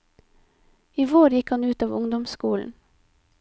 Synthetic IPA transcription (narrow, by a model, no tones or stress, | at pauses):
iːʋoːɾjɪkhɑnʉːt̪ɑːʋʊŋd̪ɔmskuːln̩